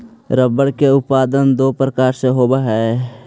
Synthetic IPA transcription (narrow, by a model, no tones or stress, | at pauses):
ɾəbəɽkeʊtpaːd̪ənd̪oːpɾəkaːɾseɦoːbaɦɛː